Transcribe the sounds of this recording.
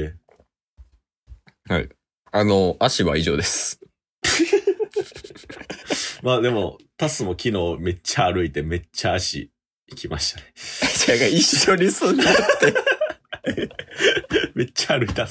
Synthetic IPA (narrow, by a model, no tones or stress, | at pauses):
e | ha̰ḭ | ano̞aɕiβa̰iʑo̞ːd̪e̞sɨ̥ | maːd̪e̞mo̞t̪asɨmo̞kʲino̞ːme̞t͡ɕːaːɾɯ̟it̪e̞me̞t͡ɕːaːɕḭ | ikʲimaɕi̥t̪aned͡ʑaɡaiɕːoɲ̟isɨ̃ɲinakɯ̟̥t̪e | me̞t͡ɕːaːɾɯit̪a